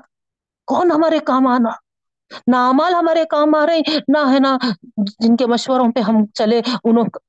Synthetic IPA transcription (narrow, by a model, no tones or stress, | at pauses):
kɔːnɦɐmaːɾekaːmaːnaː | naaːmaːlɦɐmaːɾekaːmaːɾɐɦẽnaɦɛːnad͡ʒɪnkemɐʃwəɾõpeɦɐmt͡ʃɐleʊnõk